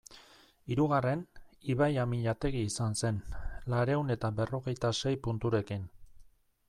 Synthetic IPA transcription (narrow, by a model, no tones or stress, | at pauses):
iɾuɣ̞are̞niβ̞ajamiʎat̪e̞ɣ̞iːsanse̞nlaɾe̞une̞t̪aβe̞ro̞ɣe̞jt̪ase̞jpunt̪uɾe̞kin